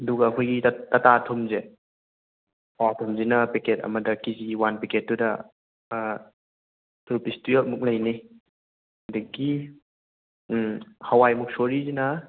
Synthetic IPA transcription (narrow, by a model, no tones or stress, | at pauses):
ɐduɡɐːkʰojɡittɐtatʰomze | awatʰomzinɐpeketɐ̰mɐdɐkiziwanpeket̚dudɐ | tuɾpistujot̚muk̚lɐjni | deɡi | hawajmuk̚soɾizinɐ